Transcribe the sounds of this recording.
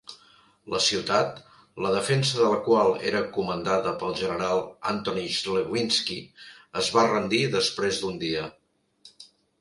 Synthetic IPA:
ləsiwt̪at̪ | ləðəfɛnsəðələkwalˠḛɾəkumənd̪aðəpəlˠʒənəɾalˠa̰nt̪oniʃleβinskiəzβarənd̪iðəspɾezd̪und̪iə

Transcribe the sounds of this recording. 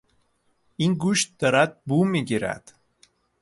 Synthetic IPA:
inɡuʃt̪̚d̪̥ɔɾæd̪̚bumiɟiɾæ̰d̪̥

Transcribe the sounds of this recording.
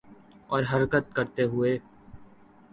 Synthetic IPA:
ɔːɾɦɐɾkət̪̚kəɾt̪eɦʊeː

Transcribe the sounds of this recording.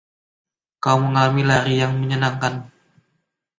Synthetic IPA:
kauməŋalamilaɾijaŋməɲənaŋkan

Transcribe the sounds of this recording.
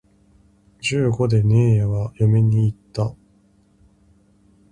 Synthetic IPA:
d͡ʑɨːɡo̞d̪e̞ne̞ːaβajome̞ɲ̟iːt̪ːa

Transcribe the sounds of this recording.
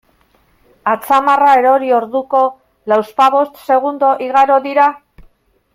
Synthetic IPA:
at͡samarae̞ɾo̞ɾio̞ɾðuko̞ | lawspaβo̞st̪se̞ɣ̞und̪o̞ʔiɣaɾo̞ðiɾa

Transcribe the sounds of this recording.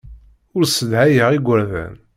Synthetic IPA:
ʊɾsəd̪hæjəʁiɡʷːəɾðæ̰n

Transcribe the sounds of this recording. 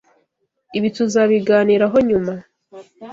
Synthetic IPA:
iβituzaβiɡaːniːɾaɦo̞ɲuma

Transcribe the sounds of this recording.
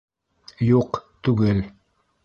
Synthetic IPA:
juqt̪ʉɡɘl

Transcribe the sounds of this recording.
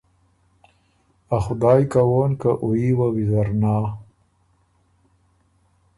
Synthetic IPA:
axʊd̪aːjkawoːnkaʔuiwawizɐɾnaː

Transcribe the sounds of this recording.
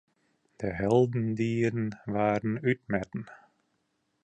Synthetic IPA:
d̥əɦɛlˠdn̩diːɾənvaːɾənytmɛtn̩

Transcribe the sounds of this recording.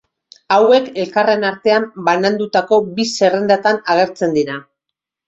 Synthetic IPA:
awe̞ke̞lkare̞naɾt̪e̞ambanand̪ut̪ako̞bise̞rend̪at̪anaɣ̞e̞ɾt͡se̞nd̪ina

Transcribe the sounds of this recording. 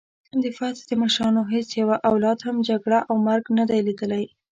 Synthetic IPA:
d̪əfɑt̪d̪əmaʃɾɑnoɦet͡sjawaʔawlɑd̪hamd͡ʒaɡɽaʔawmaɾɡnad̪ajlid̪əlaj

